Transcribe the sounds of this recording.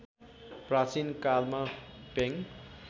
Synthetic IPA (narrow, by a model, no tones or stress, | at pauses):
prat͡sinkalmapeŋ